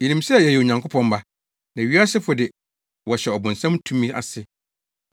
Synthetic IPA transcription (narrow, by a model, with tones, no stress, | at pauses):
i˨lĩ˨msɛ˦˨jɛ˨jɛ˨o˨ɲã˨ŋkʰʊ˦pʰɔ̃˦mba˦˨ | nã˨ɥi˦a˦sɪ˦fʊ˨dɪ˨ | wɔ˨ɕɛ˨ɔ˨bʊ̃˨n̩˨sã˦mtʰũ˦mĩ˦a̰˨sɪ˨